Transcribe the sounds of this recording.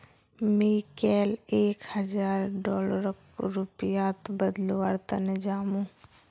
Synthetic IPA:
mikɛːleːkhəd͡ʒaːɾɖɔːləɾəkɾupijaːt̪bəd̪loːaɾt̪ənɪd͡ʒaːmũ

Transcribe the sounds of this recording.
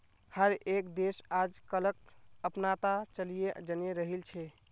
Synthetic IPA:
həɾekd̪esad͡ʒkələk̚əpnat̪at͡ʃəlijed͡ʒəneɾəɦilt͡ʃʰɛ

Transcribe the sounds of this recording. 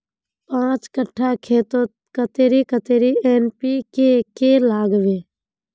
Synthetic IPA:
pãːt͡ʃkəʈʰːakʰeːt̪o | kət̪eːɾikət̪eːɾiːeːnpiːkekelaːɡʋeː

